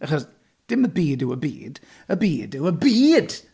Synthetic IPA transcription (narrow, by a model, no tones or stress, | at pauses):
aχɔs | d̥ɪməbiːdɪwəbḭːd̥ | əbiːdɪwəbiːd̥